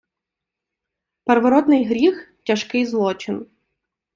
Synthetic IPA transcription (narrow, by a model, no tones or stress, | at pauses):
pɛɾʋɔɾɔd̪nɪjɦɾʲixtʲɐʃkɪjzlˠɔt͡ʃɪn